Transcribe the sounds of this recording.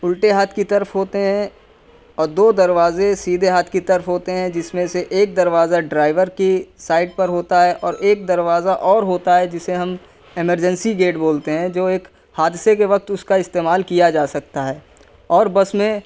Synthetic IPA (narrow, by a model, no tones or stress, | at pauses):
ʊlʈeɦaːt̪ʰkit̪ɐɾəfɦoːt̪eɦɛ̃ | ɔːɾd̪oːd̪ɐɾʋaːzesiːd̪ʱeɦaːt̪ʰkit̪ɐɾəfɦoːt̪eɦɛ̃d͡ʒɪsmẽseʔeːk̚d̪ɐɾʋaːzaɖɾaːɪʋəɾkisaːɪʈ̚pɐɾɦoːt̪aɦɛʔɔːɾeːk̚d̪ɐɾʋaːzaʔɔːɾɦoːt̪aɦɛd͡ʒɪseɦɐm | ɪməɾd͡ʒə̃nsiɡeːʈboːlt̪eɦɛ̃d͡ʒoːeːk | haːd̪ɪsekeʋɐk̚t̪ʊskaɪst̪eːmaːlkijad͡ʒaːsɐk̚t̪aɦɛː | ɔːɾbɐsmẽ